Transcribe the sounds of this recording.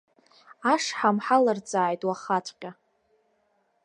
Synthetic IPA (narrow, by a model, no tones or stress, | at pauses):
aʂħamħalard͡zʼaːjtʼwaχat͡ʃʷʰʼqʲʼa